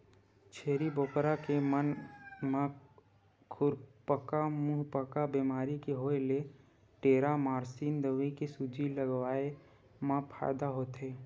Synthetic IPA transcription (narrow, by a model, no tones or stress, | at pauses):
t͡ʃʰeːɾiboːkɾakemənmã | kʰʊɾpəkamuːɦpəkabimaːɾikeɦoːele | ʈeːɾamaːɾsiːnd̪əʋikesud͡ʒiləɡʋaːe | mãpʰa̰ːɪd̪aɦoːt̪ɦeː